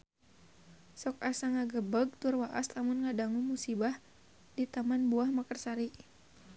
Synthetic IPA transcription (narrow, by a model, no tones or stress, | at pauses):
sɔk̚asaŋaɡəbəɡ̚t̪ʊrwaʔaslamʊnŋadaŋumusibah | dit̪amanbuahmakərsaɾiʔ